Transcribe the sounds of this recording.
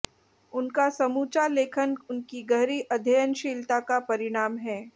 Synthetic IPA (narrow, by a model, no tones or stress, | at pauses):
ʊnkasɐmuːt͡ʃaleːkʰənʊnkiɡɐɦɾiʔɐd̪ʱejənʃiːlt̪akapɐɾɪɽ̃aːmɦɛː